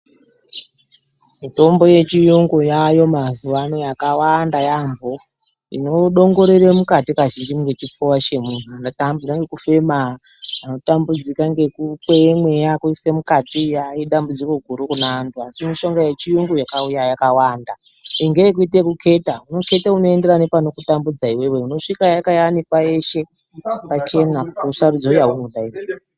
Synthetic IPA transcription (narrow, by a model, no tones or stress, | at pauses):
mito̞mbo̞je̞t͡ʃijoŋɡojajo̞mazuʋano̞jakawandajambo | ḭno̞ɗo̞ŋɡo̞ɾeremukatikaʒind͡ʒimɡe̞t͡ʃip͡fuwat͡ʃe̞mun̤uanotambikaŋɡe̞kufe̞ma | ano̞tambud͡zikaŋɡe̞kufemwe̞jakuisemukatijaiɗambud͡ziko̞ɡʱuɾukunaːntʰuasimiʃo̞ŋɡajet͡ʃijuŋɡojakaujajakawaːnda | eŋɡeek̬uite̞kukʰe̞tauno̞ke̞tauno̞e̞nde̞ɾanepano̞kutambud͡zaiwe̞we̞uno̞ʂikajakajanipwae̞ʃe̞ | pat͡ʃe̞nakusarud͡zoujawumuɗaira